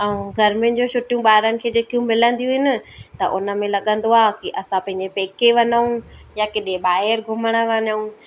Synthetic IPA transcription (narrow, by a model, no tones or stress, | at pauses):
ɐũɡʱɐɾmẽd͡ʑõt͡ɕʰʊʈijũɓaːɦɪɾənɪ̆kʰeːd͡ʑeːkijũmɪlə̃nd̪ijũɦɪnɪ̆t̪ɐʔʊnə̆mẽlɐɠə̃nd̪oaːɦkiʔɐsãpɐ̃ɦɪ̃ɲd͡ʑepeːkeʋɐɲəũjakeɗẽɓaːɦɪɾɡʱʊməɽ̃ə̆ʋɐɲəũ